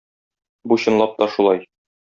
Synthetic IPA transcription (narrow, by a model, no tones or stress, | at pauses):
buɕɤ̆nlˠɑp̚t̪ɒʃulˠɑj